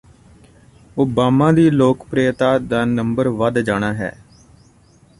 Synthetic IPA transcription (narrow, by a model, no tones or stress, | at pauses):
oːbaːmãːd̪iːloːkpɾeːt̪aːd̪aːnəmbəɾʋəd̪d͡ʒaːɽ̃aːɦɛ̰ː